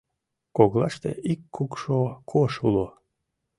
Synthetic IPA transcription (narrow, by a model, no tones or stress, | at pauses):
koɣlɑʃt̪ḛʔikːukʃokʰoʃulo